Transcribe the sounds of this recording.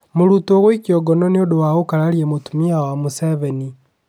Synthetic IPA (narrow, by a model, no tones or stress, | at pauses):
moɾutɔɣwikjɔɡɔnɔneodowaokaɾaɾiemotumiawamuseβɛni